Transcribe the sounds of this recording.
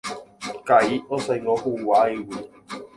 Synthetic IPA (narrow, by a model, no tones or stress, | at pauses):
kajɔsajŋɔhuːwaːewi